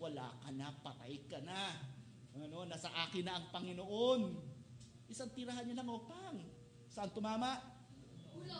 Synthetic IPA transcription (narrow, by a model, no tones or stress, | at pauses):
wɐla̰ːkɐnapɐt̪a̰jkɐna | ɐno̞nɐsɐʔaːkɪnːɐʔɐŋpɐŋɪnoʔon | ʔɪsant̪ɪɾaɦanːɐlaŋopaŋ | sɐʔant̪ʊmaːmaʔ